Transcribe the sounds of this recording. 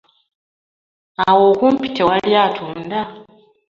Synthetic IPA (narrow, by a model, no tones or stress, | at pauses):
awoːkuːmpi̥tʰewaljaːtʰuːnda